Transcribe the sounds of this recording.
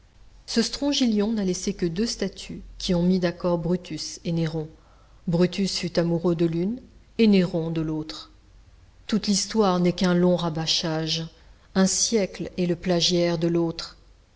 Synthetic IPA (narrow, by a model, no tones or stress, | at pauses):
səst̪χɔ̃ʒiljɔ̃nalesekəd̪øst̪at̪ʰykʲiɔ̃mid̪akɔʁbʁyt̪yseneʁɔ̃ | bʁyt̪ysfyt̪amuʁød̪əlyn | eneʁɔ̃d̪əlot̪χ | t̪ut̪list̪waʁnɛkɛ̃lɔ̃ʁabaʃaʒ | ɛ̃sjɛklɛləplaʒjɛʁd̪əlot̪χ